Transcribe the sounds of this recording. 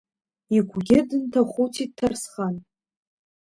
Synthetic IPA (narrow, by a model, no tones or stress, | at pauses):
iɡʷʰɡʲɪdɨntʰaχʷuwtʰid̚tʰːarsχan